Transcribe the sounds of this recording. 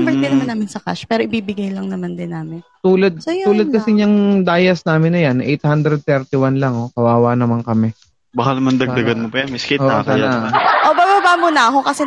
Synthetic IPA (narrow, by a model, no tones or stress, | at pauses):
mbɛd̪ɪnɐmaɐnaːmɪnsɐka̰ʃpɛːɾoʔɪbiːbɪɡajlɐŋnɐmand̪ɪnːaːmɪnt̪uːlɐd̪̚souːlɐd̪̚kɐsɪɲɐŋd̪aːjɐsnaːmɪnːɐjanʔɛjt̪hand̪ɾɛd̪̚t̪ɛɾt̪ɪwanlɐŋo̞kɐwaːwanɐmaŋkɐmɛ | bakanɐmɐnd̪ɐɡ̪ɐɡɐnmopɐjanmɪskeoʔkɐjnaʔobaːbabaːmonɐɐkokɐsɛ